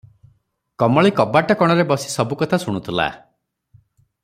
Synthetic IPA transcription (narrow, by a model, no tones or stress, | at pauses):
kɔmɔɭikɔbaʈɔkɔɽ̃ɔɾebɔsi̥sɔbukɔt̪ʰasuɽ̃ut̪ʰila̰